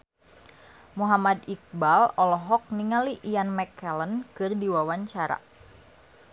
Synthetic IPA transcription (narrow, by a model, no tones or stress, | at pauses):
muɦamad̪ik̚balɔlɔɦɔk̚niŋaliʔijanmɛkɛlənkɨrdiwawaɲt͡ʃaɾa̰